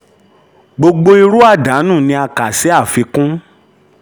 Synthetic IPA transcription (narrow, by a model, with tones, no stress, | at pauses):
ɡ͡bo˧ɡ͡bo˧i˧ɾu˦a˦˨da˨˦nũ˦˨nĩ˧a˧ka˨sɛ˨˦a˦˨fi˧kũ˦